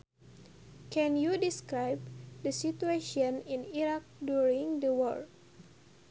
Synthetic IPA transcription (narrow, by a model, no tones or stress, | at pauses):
kɛ̃njudiskɾajb̚dəsitueʃɔ̃nĩniɾak̚djuɹĩŋdəwɔ̰l